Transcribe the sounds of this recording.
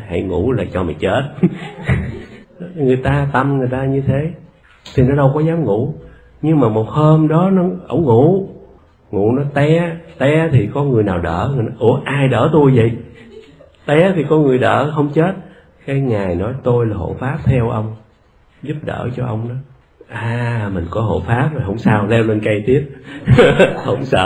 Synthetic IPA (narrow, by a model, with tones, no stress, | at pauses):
ha̰˧˩˨jŋṵ˧˥laː˨˩t͡ɕɔ˧mɛ̰˨˩ŋt͡ɕe˦˥t̚ | ŋɨ˨˩əjt̪aː˧t̪a˧mŋɨ˨˩əjt̪aː˧ɲɨ˧t̪ʰe˨˦ | t̪ʰi˨˩nɔ˨˦ɗə˧wkɔ˨˦zaː˨˦mŋu˧˩˥ | ɲɨ˧ŋmaː˨˩mo˨˩t̚həː˧mɗɔ˨˦nɔ˨˦ʔə̰˧˩wŋ͡mŋu˧˩˨ | ŋṵ˧˩˥nɔ˨˦t̪ɛ˧t̪ɛ˧t̪ʰi˨˩kɔ˨˦ŋɨ˨˩əjnaː˨˩wɗə̰ː˧˩ŋɨ˨˩jnɔ˨˦ʔɨ˧˩əʔaː˧˩jɗəː˧˩t̪u˧jvə̰˧˨j | t̪ɛ˧t̪ʰi˨˩kɔ˦nŋɨ˨˩əjɗə̰ː˧˩ɦə˧wŋ͡mt͡ɕe˦˥t̚ | kaː˨˦jŋaː˨˩jnɔ˨˦jt̪o˧jlaː˨˩ɦo̰˧˨˩faː˦˥p̚t̪ʰɛ˧wʔə˧wŋ͡m | zu˦˥p̚ɗə̰ː˧˩t͡ɕɔ˧ʔə˧wŋ͡mnɔ˨˦ | ʔaː˨˩mï˨˩ŋ̟kɔ˨˦ɦo̰˧˩faː˦˥p̚zo˨˩jɦə˧wŋ͡msaː˧wlɛ˧wlə˧nkə˧jt̪i˦˥əp̚ | hə˧˩wŋ͡msə̰ː˧˨